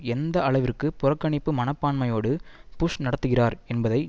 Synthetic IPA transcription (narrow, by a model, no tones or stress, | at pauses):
ɛnd̪ɐɐɭɐɪʋɪrkːɯpʊrɐkːɐɳɪpːɯmɐnɐpːaːɳmɐjoːɽɯpʊʂnɐɽɐt̪ːɯɣɪraːɾɛnbɐðɐɪ